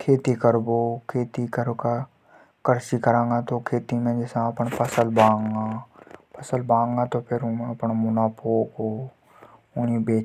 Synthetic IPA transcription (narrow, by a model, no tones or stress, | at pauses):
kʰeːt̪ikəɾbokʰeːt̪ikəɾka | kəɾt͡ʃikɐɾãːŋɡat̪okʰeːt̪imẽd͡ʒɛːsãpənpɐsəlbãːŋɡapʰɐsəlbãːŋɡat̪opʰɪɾmpənmʊnaːpoːko | ʊnibeː